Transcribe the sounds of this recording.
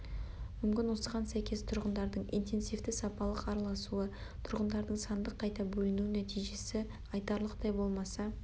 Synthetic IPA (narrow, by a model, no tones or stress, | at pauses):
mʏmkʲɪnwo̞səʁɑnsæjkʲʰe̞st̪ʰʊɾʁənd̪ɑɾd̪əɴḭjnt̪ʰe̞nsijft̪ɪsɑpɑlˠəqɑɾɑlˠɑsuə | t̪ʰʊɾʁənd̪ɑɾd̪əɴsɑnd̪əqʰːɑjt̪ɑbɵlɪnunæt̪ijʒe̞sɪ | ɑjt̪ɑɾlˠəqt̪ɑjbo̞lˠmɑsɑ